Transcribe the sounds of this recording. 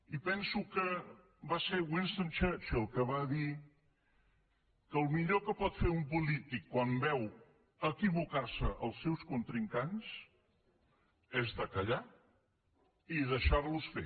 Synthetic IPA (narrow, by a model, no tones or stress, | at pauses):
ipɛnsukə | basewinst̪əmt͡ʃəɾt͡ʃəlˠkəβaði | kəːlˠmiʎokəpɔt̪feumpulit̪ikːwambɛw | əkiβukaɾsəʔəlˠsːɛwskunt̪ɾiŋkans | ɛzðəkəʎa | iðəʃaɾlusfḛ